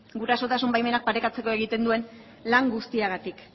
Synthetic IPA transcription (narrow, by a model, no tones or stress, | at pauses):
ɡuɾaso̞t̪asumbajme̞nak̚paɾe̞kat͡se̞ko̞e̞ɣ̞it̪e̞nd̪ue̞n | laŋɡust̪iaɣ̞at̪ik